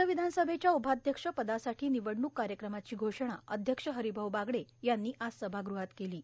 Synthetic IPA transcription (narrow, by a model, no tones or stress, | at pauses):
əʋid̪ʱansəbʱet͡ɕjaubʱad̪ʱjəkʂəpəd̪asaʈʰiːniʋəɽnuːkːaɾjəkɾəmat͡ɕiːɡʱoʂɳ̃aʔəd̪ʱjəkʂəɦəɾibʱəʋbaɡɽejanːiːʔasəbʱaɡɾuɦat̪keliː